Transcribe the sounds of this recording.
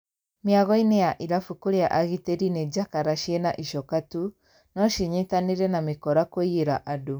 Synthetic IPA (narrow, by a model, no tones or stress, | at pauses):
miaɣɔinejaʔiɾafukoɾeaʔaɣiteɾined͡ʒakaɾaʃiɛnaʔiʃɔkatu | nɔʃiɲetaneɾɛnamekɔɾakoieɾaʔado